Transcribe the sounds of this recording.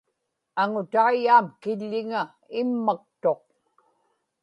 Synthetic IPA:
aŋʊt̪aijaːmkɪʎːɪŋa | ɪmːak̚t̪o̞q̚

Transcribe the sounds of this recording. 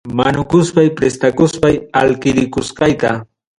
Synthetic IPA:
manʊkʊspajpɾest̪akʊspaja̰lkɪɾɪkʊsqɑjt̪a̰

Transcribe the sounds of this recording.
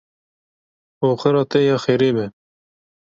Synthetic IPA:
oːχəɾɑːt̪ɛjɑːxeːɾeːbɛ

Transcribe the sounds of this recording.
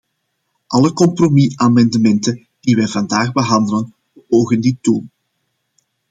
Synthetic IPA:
ʔɑləkɔmpromiamɑndəmɛntə | d̥iʋɛjvɑndaːɣbəɦɑndələn | b̥əʔoːɣənditun

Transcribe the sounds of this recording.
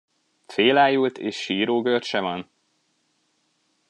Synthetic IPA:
feːlaːjult̪ḛːʃʃiːɾoːɡørʃɛvɒn

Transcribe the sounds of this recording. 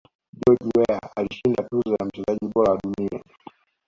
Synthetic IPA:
ʄɔʄwɛaaliʃindatuzɔzam̩t͡ʃɛzaʄiɓɔɾawaɗunia̰

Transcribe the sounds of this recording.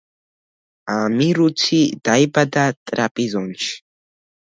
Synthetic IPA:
amɪɾʊt͡sʰid̪̥ajbad̪at̪ʼɾapʼizonʃ

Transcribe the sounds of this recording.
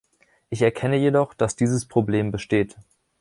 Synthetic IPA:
ʔɪçɛɐkʰɛnəjedɔχd̥asd̥iːzəspʁ̥obleːmbəʃteːt

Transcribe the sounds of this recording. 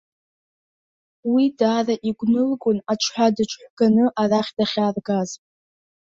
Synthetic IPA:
widaːraʔiɡʷnɨlɡʷʊnat͡ʃʷʰħʷᶣadɨt͡ʃʷʰħʷɡ̥anɨʔaraχʲdaχʲaːrɡazʼ

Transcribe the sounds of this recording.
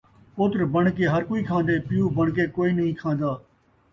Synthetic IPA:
poːt̪ɾbəɳkeːɦəɾkoːiːkʰãːnd̪eːpɪjuːbəɳkeːkoːiːnəɦĩːkʰãːnd̪aː

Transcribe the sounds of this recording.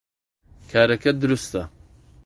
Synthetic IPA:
kʰaːɾɐkʰɐd̪ʊɾust̪ɐ

